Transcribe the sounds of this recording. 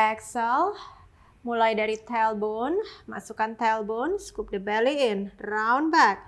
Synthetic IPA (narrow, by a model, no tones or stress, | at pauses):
ɛksəl | mulajdaɾit̪ɛlbɔnma̰sukant̪ɛlbɔnskup̚dəbaliɪnraunbak̚